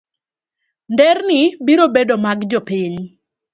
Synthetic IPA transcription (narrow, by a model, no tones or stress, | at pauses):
ndɛrnɪbiɾobedomaɡd͡ʒopiɲ